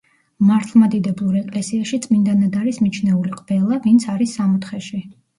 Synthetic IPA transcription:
maɾt̪ʰlˠmad̪id̪ɛblˠuɾɛkʼlɛsiaʃit̪sʼmind̪anad̪aɾismit͡ʃʰnɛuliqʼb̥ɛlˠavint̪sʰaɾisːamɔt̪χɛʃi

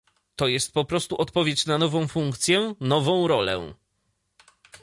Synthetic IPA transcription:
t̪ɔjɛst̪̚pɔpɾɔst̪uʔɔt̪pɔvʲjet͡ɕnanɔvɔ̃w̃fuŋkt̪sʲjɛnɔvɔ̃w̃ɾɔlɛ̰

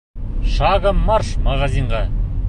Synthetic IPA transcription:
ʃɑʁəmːɑɾʃmɑʁɑziɴʁɑ

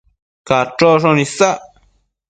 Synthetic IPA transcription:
kaʈ͡ʂoʂ̬onĩsa

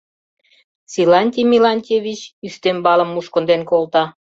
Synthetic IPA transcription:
sʲilɑnʲt̪ʲimʲilɑnʲt̪ʲevʲit͡ɕyst̪embɑlə̆mːuʃkŏnd̪enkolt̪ɑ

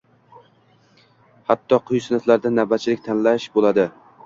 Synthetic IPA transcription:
hat̪ʰːɒqʰʊjsɪnat̪laɾd̪anabat̪̚t͡ʃʰɪlɪk̚ʲt̪ʰanlaʃbolad̪ɪ

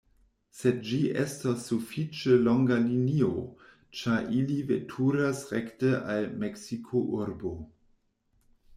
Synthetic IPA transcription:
sed̚d͡ʒiʔḛstasːufit͡ʃəloŋɡalinio | t͡ʃaɾʔilivḛtʰuɾasʁektəʔalmeksikʰoʔuɾbo

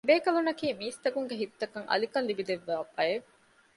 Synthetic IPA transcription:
beːkɐlunɐkiːmiːst̪ɐkuŋɡeɦit̪ːɐkɐŋɐ̰likɐnlibid̪eʋːaːbɐjeʋ

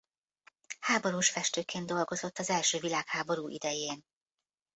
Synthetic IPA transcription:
haːbo̞ɾuːʃfɛʃt̪øːkʰeːnd̪o̞lɡo̞zo̞t̪ːɒzɛlʃøːvilaːkhaːbo̞ɾuːʔḭd̪ɛjeːn

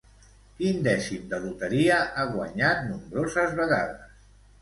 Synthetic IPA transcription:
kind̪ɛsimd̪əðut̪əɾiəʔaɣwa̰ɲat̪̚numbɾozəzβəɣaðəs

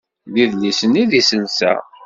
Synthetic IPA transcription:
ðiðlisəniðisənsæ̰

